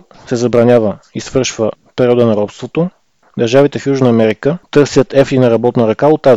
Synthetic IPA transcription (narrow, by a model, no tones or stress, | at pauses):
sɛzɐbɾɐnʲavəisvɤɾʃvə | pɛɾiɔd̪ənɐɾɔpst̪vot̪o | d̪ɐɾʒavit̪ɛfjuʒnəːmɛɾikət̪ɤɾsʲjət̪ɛfinɐɾɐbɔt̪nəɾɐkaot̪ːaz